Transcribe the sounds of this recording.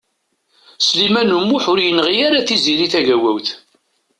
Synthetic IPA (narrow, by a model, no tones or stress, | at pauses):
slimænumːʊħʊɾjənəʁiaɾaθiziɾiθæʝæwæwθ